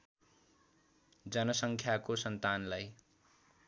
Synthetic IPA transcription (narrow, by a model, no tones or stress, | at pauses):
d͡zʌnʌsʌŋkʰjakosʌnt̪anlaj